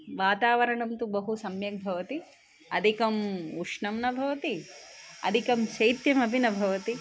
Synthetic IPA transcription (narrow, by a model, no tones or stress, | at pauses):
ʋaːt̪aːʋɐɾɐɳɐmt̪ubɐɦusɐmjɐk̚bʱɐʋɐt̪i | ɐ̰d̪ʱikɐmuʂɳɐmnɐbʱɐʋɐt̪iɐ̰d̪ʱikɐmʃɐjt̪jɐmɐbʱinɐbʱɐʋɐt̪i